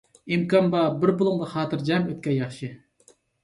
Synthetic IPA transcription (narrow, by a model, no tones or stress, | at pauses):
imkʰɑnbɑbɪɾbʊlˠʊŋlˠɑχɑːt̪ʰɨɾd͡ʒɛmøt̪̚kʲɛjɑχʃɨ